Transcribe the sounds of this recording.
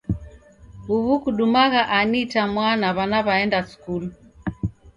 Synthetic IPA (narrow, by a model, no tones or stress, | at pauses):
uβukuɗumaɣaʔanitamwanaβanaβaɛndasu̥kulu